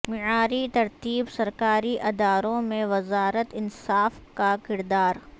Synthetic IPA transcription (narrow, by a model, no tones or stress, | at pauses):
mɪʕaːɾit̪ɐɾt̪iːbsɐɾkaːɾiʔɐd̪aːɾõmẽʋɐzaːɾət̪ɪnsaːfkakɪɾd̪aːɾ